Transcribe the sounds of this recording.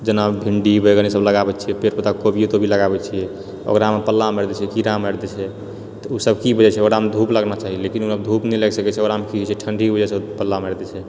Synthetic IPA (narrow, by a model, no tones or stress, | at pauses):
d͡ʒənabbʱiɳɖibəɡənisəbləɡabɛtːt͡ʃʰijɛpeɾpət̪akobiot̪obʱiləɡabɛt͡ʃʰijɛ | o̰ɡɾamepəlːaməɾd̪ɛt͡ʃʰɛkiɾaməɾd̪ɛt͡ʃʰɛ | t̪ɔusəbkibəd͡ʒɛt͡ʃʰɛoɡɾamed̪ʱupləɡnat͡ʃaɦilekinusəbd̪ʱupnɛlɛɡsəkɛt͡ʃʰɛoɡɾamekit͡ʃʰɛʈʰəɳɖʱibəd͡ʒɛsepəlːaməɾd̪ɛt͡ʃʰɛ